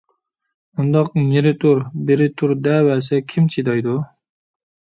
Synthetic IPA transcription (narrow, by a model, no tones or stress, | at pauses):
und̪ɑq̚neɾɪt̪ʰuɾbeɾɪt̪ʰuɾd̪ɛwɛsɛkʲʰimt͡ʃʰid̪ɑjd̪u